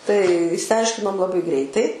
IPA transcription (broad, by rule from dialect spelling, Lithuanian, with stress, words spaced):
tɐɪ ɪʃʲsʲɪˈɐɪʃʲkʲɪnoːm lˠɐˈbɐɪ ˈɡrʲɛɪtɐɪ